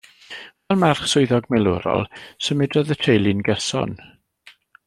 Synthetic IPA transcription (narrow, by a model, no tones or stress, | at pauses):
vɛlˠmarχsʊɨðɔɡmɛlˠʊɾɔ̰lˠsəmɪdrɔðətʰejlˠɪnɡɛsɔ̰n